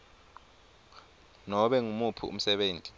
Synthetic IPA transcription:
nɔɓɛŋumupʰuṵm̩sɛɓeːntʼi̥

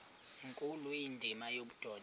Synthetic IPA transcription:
ŋkʼulujindʱimajoɓud̥ʱɔːd

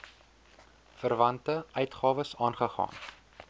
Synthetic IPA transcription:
fərvɐntəœɥtχɑːvəsɑːnχəχɑ̰ːn

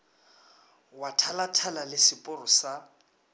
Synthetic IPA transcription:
watʰalatʰalalɪsɪpʼʊrʊsa

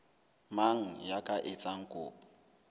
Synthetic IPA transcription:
maŋ̩jakʼaʔɪt͡sʼaŋ̩kʼʊ̰ːpʼḁ

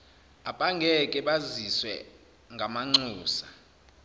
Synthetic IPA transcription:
apʼaŋɡʱɛkʼɛɓaziswɛ̰ | ŋɡʱamaŋ͡ǀuːsḁ

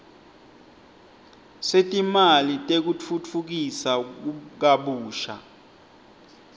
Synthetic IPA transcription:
setʼimalitʼek̬ut͡fʰut͡fʰuk̬isauk̬aɓuːʃa̰

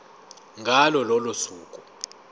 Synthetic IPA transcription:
ŋɡʱalɔlɔlosuːkʼu

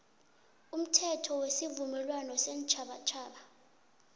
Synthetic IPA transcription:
um̩tʰɛtʰɔwesivumɛlwanɔsɛnt͡ʃʰaɓat͡ʃʰaːɓa

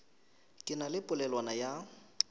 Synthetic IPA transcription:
kʼɪnalɪpʼʊlɛlwanaja

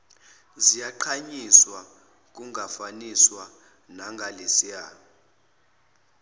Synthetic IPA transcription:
zijaǃʰaɲiswa | k̬ʼuŋʱafaniswa | naŋɡʱalesiaː

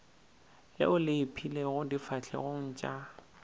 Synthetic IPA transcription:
lɪ̰ʊlɪɪpʰileɣʊdifaɬʰɛ̰ɣoŋ̩t͡ʃʼa

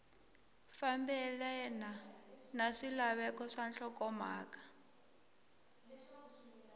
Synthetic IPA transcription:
fambɛlɛnanaʂilaβɛkɔʂanɬɔkɔma̰ːkḁ

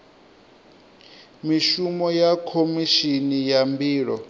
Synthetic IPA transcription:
miʃumɔjakʰomiʃinijambiːɺɔ

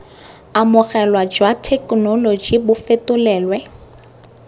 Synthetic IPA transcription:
amʊɣɛlwad͡ʒwatʰɛknɔlod͡ʒibʊfetʊlɛːlwɛ

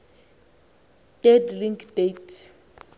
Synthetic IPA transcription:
d̥ɛdliŋkʰdetʰ

